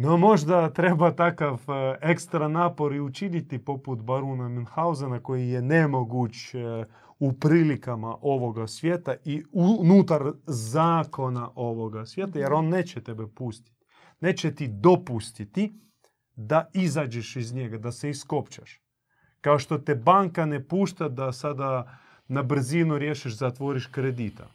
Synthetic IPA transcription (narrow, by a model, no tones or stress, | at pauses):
nomo̞ʒd̪at̪ɾe̞bat̪akafe̞kst̪ɾanaːpo̞ɾiut͡ʃinit̪ipo̞put̪baɾunaminxauzanako̞jijenemo̞ɡut͡ʃ | upɾiːlikamaʔo̞ʋo̞ɡasʋjeːt̪aiunuːt̪aɾzaːko̞naʔo̞ʋoɡasʋjeːt̪ajeɾo̞nneːt͡ɕet̪e̞bepust̪i̥t̪ | neːt͡ʃet̪id̪o̞pust̪it̪i | d̪aizaːd͡ʒeʃizɲe̞ɡad̪aseisko̞pt͡ʃaʃ | kaoʃt̪o̞t̪ebaŋkanepuːʃt̪ad̪asad̪a | nabr̩zinuɾjeʃiʃzat̪ʋoɾiʃkɾed̪it̪a̰